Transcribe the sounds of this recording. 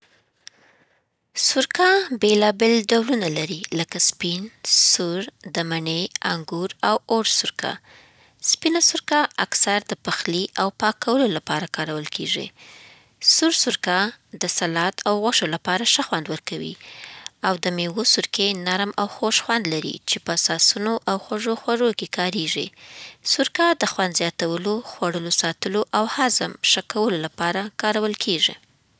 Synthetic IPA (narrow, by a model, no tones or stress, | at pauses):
sʊɾkabelɑbelɖawlunalaɾiləkaspinsuɾd̪əmaɳea̰ŋɡuɾawoɾsʊɾkʰa̰ | spinasʊɾkaʔaksaɾd̪əpaxliʔawpɑkawəlolapɑɾakɑɾawəlkeʐḭ | suɾsʊɾkad̪əsalɑt̪awɣaʂolapɑɾaʃaxwand̪wəɾkawḭ | awd̪əmewosʊɾkenaɾmawxoʃxwand̪laɾḭt͡ʃepəasɑsunoʔawxwaʐoxwaʐokekɑɾeʐḭsʊɾkad̪əxwand̪zjɑt̪awəloxwaɽəlosɑt̪əloʔawhazəmʃakawəlolapɑɾakɑɾawəlkʰeʒḭ